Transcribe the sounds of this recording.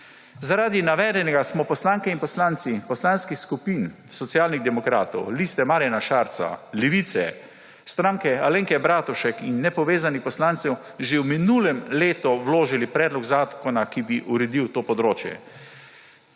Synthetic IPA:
zaɾaːd̪inaʋɛːd̪ɛnɛɡasmɔpɔslaŋkɛinpɔslaːnt̪sipɔslanskixskupin | sɔt̪sijaːlniɣd̪ɛmɔkɾa̰ːt̪ɔ̰wlist̪ɛmaːɾjanaʃaɾt̪sa̰liʋit̪sɛ̰ | st̪ɾãŋkɛaleŋkɛbɾaːt̪uʃɛkinːɛpɔʋeːzanipɔslaːnt̪sɛw | ʒewminulɛmleːt̪ɔwloːʒilipɾɛːd̪lɔɡzaːkɔnakibiʔuɾɛd̪iwt̪oːpɔd̪ɾoːt͡ʃjɛ̰

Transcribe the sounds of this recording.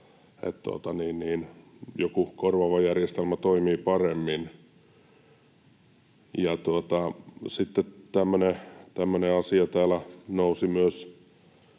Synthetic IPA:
ḛt̪t̪uo̰t̪ɑniːnniːnjokukorʋɑʋɑjærjest̪elmæt̪oimiːpɑremːin | jɑt̪uot̪ɑsit̪ːet̪æmːønet̪æmːøneɑsiɑt̪æːlænousimyøs

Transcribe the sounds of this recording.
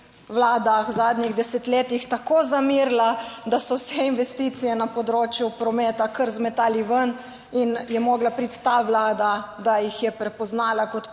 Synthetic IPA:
ʋlaːd̪azaːd̪nʲiɣd̪ɛsɛt̪leːt̪ixt̪akoːzamiɾlad̪asɔwsɛinʋɛst̪iːt̪sijɛnapɔd̪ɾoːt͡ʃjupɾɔmɛːt̪akəɾzmɛt̪aːliʋən | injɛmɔːɡlapɾit̪ːaʋlaːd̪ad̪ajixjɛpɾɛpɔznaːlakɔt̪

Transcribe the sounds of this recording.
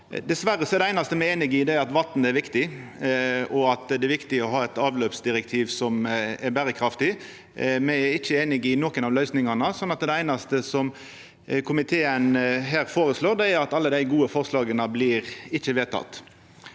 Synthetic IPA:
d̪ɛsʋæɾəsɔɛɾd̪ɛæɪnɑst̪əmɛeːnɪɡɪd̪ɛæɾɑt̪ʋɑt̪n̩ɛɾʋɪkt̪ɪ | ɔɑt̪d̪ɛæʋɪkt̪ɪɔɦɑːɛt̪ɑːʋløːpsd̪ɪɾɛk̚t̪ʰiːʋsɔmɛɾbæːɾəkʰɾɑft̪ɪ | mɛæɾɪçːəeːnɪɡɪnokənɑːʋlœʏsnɪŋɑnəsɔnːɑt̪d̪ɛæɪnɑst̪əsɔm | kʰʊmɪt̪ʰeːənɦæːɾfoːʁəsloːd̪ɛæɾɑt̪ɑlːəd̪æɪɡuːəfɔʁslɑːɡənəblɪːʁɪçəʋeːt̪ʰɑ̰t̪ː

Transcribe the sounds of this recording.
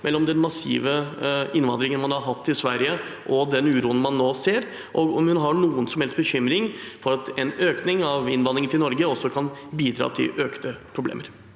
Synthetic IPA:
mɛlːɔmd̪ɛnmɑsḭːʋəɪnːʋɑnd̪ɾɪŋənmɑnhɑɾɦɑt̪ːɪsʋæɾjə | ʔɔd̪ɛnʉːɾuːənmɑnːoːseːɾ | ʔɔɡɔmhʉnɦɑɳuːənsɔmhɛlst̪̚bəçʏmɾɪŋfɔɾɑt̪ɛnøːknɪŋɑʋɪnʋɑnːɪŋət̪ʰɪlnɔɾɡəɔsːɔkʰɑnbiːd̪ɾɑ̰ːt̪ʰɪ̰lʔøːkt̪əpʰɾʊblḛːməɾ

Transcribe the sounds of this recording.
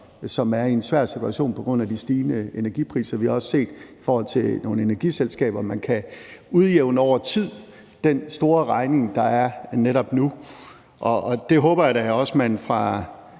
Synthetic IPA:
sɒ̽mæɐiensʋæɐ̰sit͡sʰuæɕo̝̰ːnpʰɒ̽ɡ̥ʁɔ̽n̰æd̥isd̥iːnəenæɐɡ̥ipʰʁḭːsɐʋihɑ̈ɒ̽sse̝̰ːd̥ifɒːhɒ̽l̰t͡sʰe̝no̝ːnəe̝næɐɡ̥iselsɡ̥ɛ̰ːb̥ɐmænkʰæuðˠjeʊnɒʊ̰ɐt͡sʰið̰ˠ | d̥ensd̥o̝ːɐʁɑ̈ɪne̝ŋd̥ɑ̈æɐneɾɒ̽b̥nu | ʔɒːd̥e̝ɦɔ̽ːb̥ɐjaɾ̥ææɒ̽smænfʁɑ̈

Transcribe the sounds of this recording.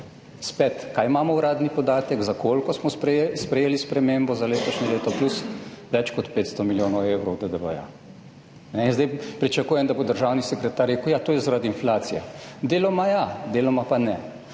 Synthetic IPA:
spɛt̪kajmaːmɔwɾaːd̪nipɔd̪aːt̪ɛkzakʰolkɔsmɔspɾspɾɛjeːlispɾɛmeːmbɔzaleːt̪ɔʃnɛleːt̪ɔplusʋɛt͡ʃkɔt̪peːt̪st̪ɔmiljoːnɔwewɾɔwd̪əd̪əbəja̰ | nɛinzd̪ɛjpɾit͡ʃakuːjɛmd̪abod̪əɾʒaːwnisɛkɾɛt̪aɾeːkʊjat̪oːjɛzaɾad̪iːnflaːt̪sijɛ̰d̪eːlɔmajad̪eːlɔmapanɛ

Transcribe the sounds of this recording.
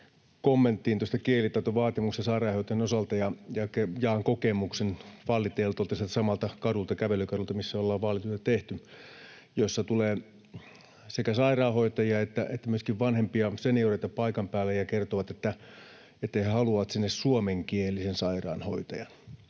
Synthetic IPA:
komːent̪ːiːnt̪uost̪ɑkielit̪ɑˑt̪oʋɑːt̪imukst̪ɑsɑirɑːhot̪ɑjɑnosɑlt̪ɑjɑjɑkejɑːŋkokemuksenfɑlːit̪eːlːt̪olt̪ɑsielt̪sɑmɑlt̪ɑkɑrult̪ɑkæʋelykɑrult̪ɑmisːæolːɑːʋʋɑlːit̪ot̪ɑt̪eht̪y | josːɑt̪uleː | sekæsɑirɑːhoit̪ɑjiɑet̪ːæʔet̪ːæmyøskiʋʋɑnhempiɑsenioreit̪ɑpɑikɑmpæːlːejɑkert̪oʋɑt̪et̪ːæ | et̪ːæhehɑluʋɑt̪sinːessuomeŋkielisensɑirɑ̰ːnho̰it̪ɑjɑn

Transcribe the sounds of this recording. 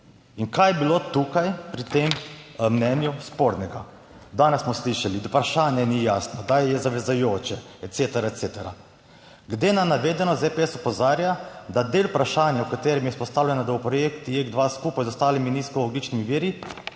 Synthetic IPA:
iŋkajɛbiloːt̪ukajpɾit̪emmnɛnjuspoɾnɛɡa | d̪aːnɛssmɔsliʃalipɾaʃaːnjɛnijaːsnɔd̪ajɛzaʋɛzajoːt͡ʃɛɛt̪set̪ɛɾat̪seːt̪ɛɾa̰ | ɡd̪enanaʋeːd̪ɛnɔzepeɛsɔpɔzaːɾjad̪ad̪eːlpɾaʃaːnjaukat̪eːɾɛmjɛspɔst̪aːwlʲjɛnad̪awpɾɔjeːkt̪ijeɡd̪ʋaːskuːpajzɔst̪aːliminiskɔloɡlit͡ʃnimiʋiːɾi

